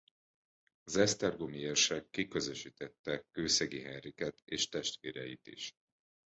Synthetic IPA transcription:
zɛst̪ɛrɡomiɛrʃɛkːikø̞zøʃiːt̪ɛt̪ːɛkːøːsɛɡiɦɛrikɛt̪eːʃt̪ɛʃt̪ʋeːɾɛjit̪ḭʃ

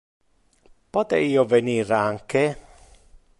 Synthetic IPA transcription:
pot̪ḛiːoveniːɾaŋke

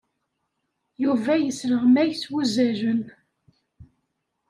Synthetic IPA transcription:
juvæjəsɾəʁmæjswuzæʒən

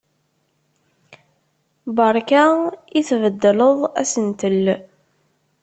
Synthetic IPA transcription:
bəɾˤkaiθvəd̪ːələðˤæ̰sənt̪əl

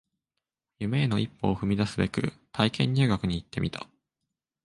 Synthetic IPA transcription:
jɯ̟me̞ːno̞ipːo̞̰ːɸɯ̟mʲid̪asɨbe̞kɯ̟̰t̪ʰaikẽ̞ɲ̟ːɨːɡakɯ̟ɲ̟iːt̪ːe̞mʲit̪ḁ̰

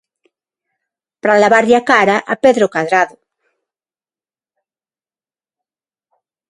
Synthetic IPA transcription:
pɾalaβaɾʎakaɾaʔapeðɾokaðɾaðo

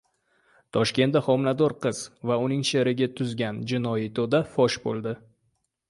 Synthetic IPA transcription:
t̪ʰɒʃkʲe̞nt̪aχɒmnad̪ɒɾqʰɨz̥vaʊnɪŋʃeɾɪɡʲat̪ʰʊzɡʲand͡ʒɪnɒjit̪ʰod̪afɒʃbolˠd̪ɪ

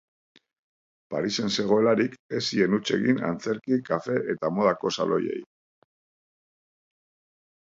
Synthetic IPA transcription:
pa̰ɾise̞nse̞ɣ̞o̞e̞laɾike̞sie̞nut͡ʃe̞̰ɣina̰nt͡se̞ɾkikafe̞ʔet̪amo̞ð̞ako̞sa̰lo̞̰je̞̰j

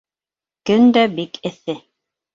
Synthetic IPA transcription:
kɵnd̪æbikʰɘ̆θɘ

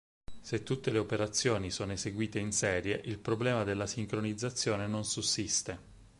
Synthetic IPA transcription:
set̪ːut̪ːeleopeɾat̪sːjoːnisoːnoeseɡwiːt̪einsɛːɾjeʔilpɾoblɛːmad̪elːasiŋkɾonid̪zːat̪sːjoːnenonsusːist̪e

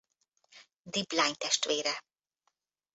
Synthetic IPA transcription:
d̪iblajnt̪ɛʃt̪ʋeːɾɛ

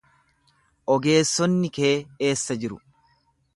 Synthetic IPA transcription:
ʔɔɡe̞ːsːɔnːɪke̞ːe̞ːsːɐd͡ʒɪɾʊ̰

